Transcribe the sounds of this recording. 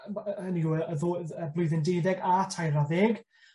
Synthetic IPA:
əniɡəɛəðoːəblˠʊɨðɪndejðɛɡatʰajɾaðeːɡ

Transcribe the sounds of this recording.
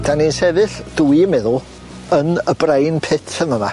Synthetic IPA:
d̥aninsɛðɨɬd̥uimɛðʊlˠ | ənəbrejnpʰɪtʰənəma

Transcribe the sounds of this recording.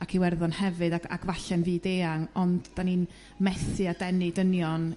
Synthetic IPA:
akʰiwɛrðɔnhɛvɨdaa̰ɡvaɬɛnviːdeːaŋɔndd̥aniːn | mɛθɨadɛnɨdənjɔn

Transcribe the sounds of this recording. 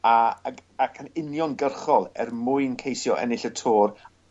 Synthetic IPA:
aakʰanɪnjɔnɡərχɔlˠɛ̰rmʊɨnkʰejsjɔʔɛ̰nɪɬətʰoːr

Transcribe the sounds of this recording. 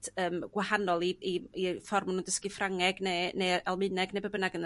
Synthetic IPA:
d̥əːmɡ̥wahanɔlˠiiifɔrmanuːndəskifraŋɛɡnenejɛlˠmɨnɛɡnejbəbənaɡən

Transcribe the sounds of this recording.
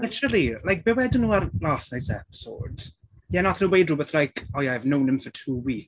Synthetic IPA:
nat͡ʃəlˠilajk̚b̥ɛwɛdənuːaɾlaːsnajsɛ̰pɪ̥so̰d̥ | jɛnaθnuːwejdrubəθlajkʰɔjaajvnownɪ̃mfɔtʰuːwiːk

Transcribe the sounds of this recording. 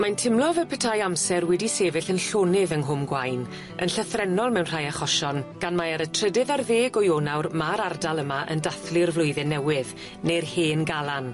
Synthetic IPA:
mantʰɪmlˠɔvɛlˠpʰɛtʰajamsɛrwɛdiseːvɪɬənɬoːnɪðənɦʊmɡwajn | ə̰nɬəθrɛnɔlˠmɛwnr̥ajaχɔʃɔnɡ̥anmaaɾətʰrədɨðarðeːɡɔjoːnawrmaɾardalˠəmaʔə̰ndaθlɪrvlˠʊɨðɛnɛwɪð | nerheːnɡalˠan

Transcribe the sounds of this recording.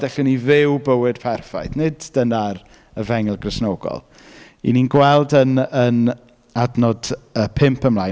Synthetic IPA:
dɛɬʊnivɪwbəwɨd̥pʰɛrfa̰jθnɪdd̥ənar | əvɛŋɛlˠɡrəsnoːɡɔ̰lˠ | ḭninɡwɛlˠdənən | adnɔdəpʰɪmpʰəmlaj

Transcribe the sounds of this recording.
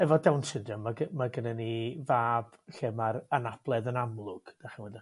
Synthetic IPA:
ɛvɔdɛwnsɪndəmːaɡəmaɡənənivaːb̥ɬɪmaɾanab̥lˠɛðənamlˠʊɡ̥d̥aχənwɛdɪ

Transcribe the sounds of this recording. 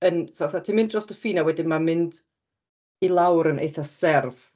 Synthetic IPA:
ənðɛθatʰimɪ̃nd̚d͡ʒɔstəfiːnawɛdɪmamɪnd | ilˠawɾənʔḛjθasɛrv̥

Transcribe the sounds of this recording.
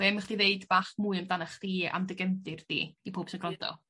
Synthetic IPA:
veməχd̥iveɨdb̥aːχmuɨəmdanaχd̥iːa̰mdɪɡɛmdɨrd̥ḭːipʰoːb̥sɪnɡrɔnd̥ɔ̰

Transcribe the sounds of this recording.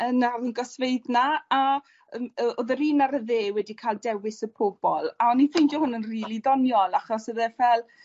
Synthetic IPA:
ənaɾənɡɔsveɨdnaa | əəoðəɾiːnaɾəðeːwɛdikʰaːlˠdɛwɪsəpʰʊbɔlˠaɔnːifejndjɔhʊnənriːlˠiðɔnjɔlˠaχɔsəðɛvɛlˠ

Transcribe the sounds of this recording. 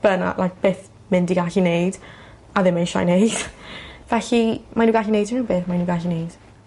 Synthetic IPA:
b̥əna̰lˠʔajk̚b̥eːθ | mɪndiɡaɬinejd̥ | aðɪmejʃa̰jnejd̥vɛɬimanuːɡaːɬinejdɪnuːbeːθmanuːɡaːɬinejd̥

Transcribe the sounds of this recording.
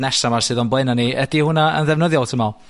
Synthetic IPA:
nɛsamarsɨːðɔnblɛnaniɛdihʊnaə̰nðɛvnəðjɔlˠtʰəma

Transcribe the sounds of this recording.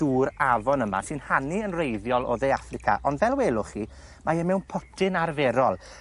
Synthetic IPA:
d̥uːɾavɔnəma̰sɨnhaniənrejðjɔlˠɔ̰ðeafrɪkʰa̰ʔɔndvɛlˠwɛːlˠʊχi | maɛmɛwnpʰɔtʰɪnarvɛɾɔlˠ

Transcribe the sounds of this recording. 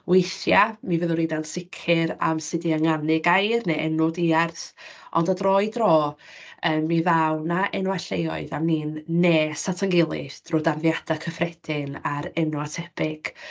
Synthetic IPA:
wejθjamivəðʊɾinansɪkʰɪɾa̰msɪdiaŋanɪɡajrneʔɛnɔdiarθʔɔ̰ndadrɔɨdrɔː | əːmmːivawnaʔɛnwaɬejɔ̰ɨðamniːnːeːsatʰaŋɡɪlˠɪ̰d̥rodarðjad̥akʰəfrɛd̥ɪnaɾɛnwatʰɛb̥ɪɡ̥

